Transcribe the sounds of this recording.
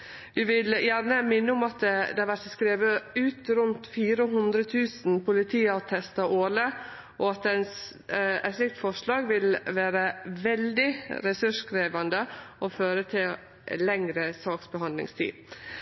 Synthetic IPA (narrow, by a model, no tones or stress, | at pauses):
ʋɪʋɪljæɾnəmɪnːəʊmɑt̪d̪ɛæʋæɾsəskɾeːʋəʉːt̪ɾʉnt̪fiːɾəɦʉnd̪ɾət̪ʰʉːsn̩pʊlɪt̪ʰiːət̪ʰɛst̪ɑʔoːɭə | ʔɔɑt̪ɛns | ɛslɪk̚t̪fɔʂlɑːɡʋɪlʋæːɾəʋɛld̪ɪɾɛsʉʂkɾeːʋɑnd̪əɔføːɾət̪ʰɪl | lɛŋɾəsɑːksbəɦɑnd̪lɪ̰ŋst̪ʰḭːd̪